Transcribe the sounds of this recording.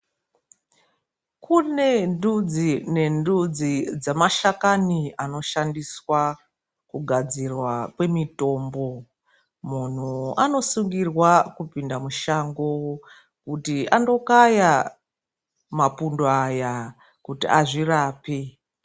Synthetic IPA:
kune̞ndud͡zine̞ndud͡zid͡zamaʃakaniano̞ʃandiswa | kuɡʱad͡zirwakwe̞mito̞ːmbo̞ | mun̤uano̞suŋɡirwakupindamuʃaŋɡo | kutiando̞kaja | mapundoaja | kutiʔaʐiraːpe

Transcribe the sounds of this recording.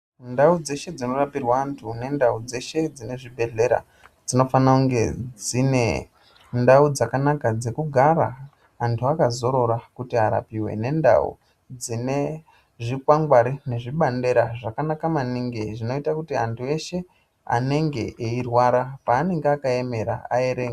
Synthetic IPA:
ndaud͡ze̞ʃe̞d͡zino̞ɾapirwaːntʰune̞ndaud͡ze̞ʃe̞d͡zine̞ʐibʱe̞ɮe̞ɾa̰ | d͡zino̞fanauŋɡe̞d͡zine̞ | ndaud͡zakanakad͡ze̞kuɡʱaɾa̰ː | ntʰuakazo̞ɾo̞ɾakutiaɾa̰piwe̞̰ne̞nda̰ṵ | d͡zine | ʐikwaŋɡwaɾine̞ʐiɓande̞ɾaʐakanakamaniŋɡeʐino̞itakutia̰ntʰue̞ʃe̞ | a̰ne̞ŋɡe̞̰ʔeirwaɾapaːne̞ŋɡeakae̞me̞ɾa̰a̰e̞ɾeːŋɡa

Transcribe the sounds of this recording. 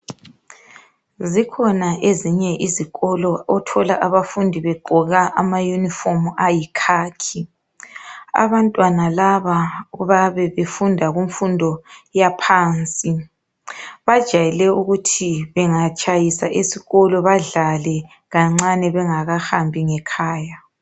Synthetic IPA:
zikʰɔnaʔeziɲɛʔiziɣɔlɔɔtʰɔlaʔaβafundʱiβɛɡ͡ǃʱɔɣaʔa̰majunifomuajikʰaːkʰi | a̰βantʼwanalaβaβaβɛβefundʱaɣuɱfundʱɔjapʰaːnt͡sʼi | βad̥ʒ̥ʱajɛlɛuɣutʰiβɛŋat͡ʃʼajisaʔesiɣɔlɔβaɮalɛ | ɣaŋ͡ǀanɛβɛŋaɣahambʱiŋɛkʰaːja

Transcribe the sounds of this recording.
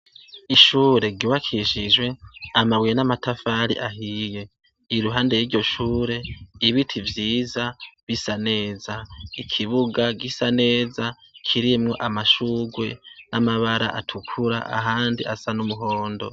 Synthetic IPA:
iʃuːɾe̞ɡuwakʰiʃid͡ʒwe̞amawnamatʰafaɾḭʔaɦije̞ | iɾuɦaːnde̞jiɾɟo̞ʃuːɾe̞iβitʰivjiːzaβisane̞ːzaikʰiβuɡaɡisane̞ːza | kʰiɾimŋo̞ʔamaʃuːɡwe̞namaβaɾa̰ʔa̰tʰukʰuɾa̰ʔa̰ɦaːndiʔasanumuɦo̞ːndo̞̰

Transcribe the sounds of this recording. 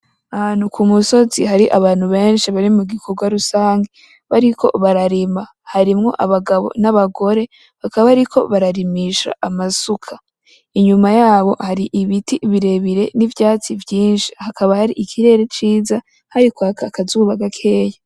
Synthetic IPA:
aanukʰumuso̞ziɦaɾiʔaβaːn̥huβe̞ːnʃiβaɾimuɡikʰo̞ɡwaɾusaːŋɡe | βaɾikʰo̞̰βaɾaɾima | haɾimŋo̞̰ʔaβaɡaβo̞̰naβaɡo̞ɾe̞ | βakaβaaɾikʰo̞̰βaɾaɾimiʃa̰ʔamasukʰa | iɲumajaːβo̞̰haɾiʔiβitiβiɾe̞βiɾe̞nivjaːt͡sivjiːnʃi̥hakaβahaɾiʔikʰiɾe̞ːɾe̞t͡ʃiːza | haɾikwakʰakazuβaɡakʰe̞ːja

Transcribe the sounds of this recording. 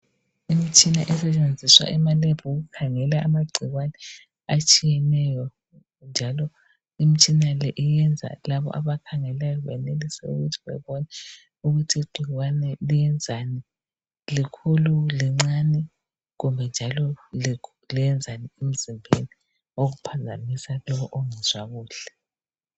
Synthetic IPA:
imit͡ʃʼinaʔɛsɛt͡ʃʼend͡zʱiswa̰ʔɛmalevʱuuɣukʰaŋɛlaamaɡ͡ǀʱiɣwanɛ | at͡ʃʼijɛnɛjɔ | nd͡ʒʱalɔ | im̩t͡ʃʼinalɛʔijɛnd͡zʱa̰laβɔ̰ʔa̰βakʰaŋɛlɛjɔβɛ̰nelisɛ̰ṵɣutʰiβɛ̰βɔnɛ | uɣutʰiɡ͡ǀʱiɣwanɛlijɛnd͡zʱanɛ | likʰululɛŋ͡ǀanɛ | ɣumbʱɛnd͡ʒʱalɔlʰ | lijɛnd͡zʱanɛem̩zimbʱḛni | oɣupʰazamisalɔβɔʔoŋɛzwaɣuːɬɛ̥

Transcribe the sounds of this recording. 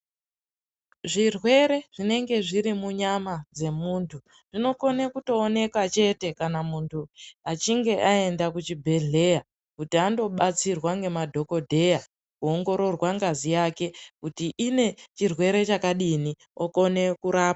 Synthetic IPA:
ʐirwe̞ɾe̞ʐine̞ŋɡe̞ʐiɾimuɲamad͡ze̞muːntʰu | ʐ̥ino̞ko̞nekuto̞ːne̞kat͡ʃe̞te̞kanamuntʰuat͡ʃiŋɡe̞ʔae̞ndakut͡ʃibʱe̞ɮe̞ja | kutiando̞ɓat͡sirwaŋɡe̞madʱo̞ko̞dʱe̞ja | kuoŋɡo̞ɾo̞rwaŋɡazijake̞kutiʔine̞t͡ʃirwe̞ɾe̞t͡ʃakaɗini | oko̞ne̞kuɾaːpa

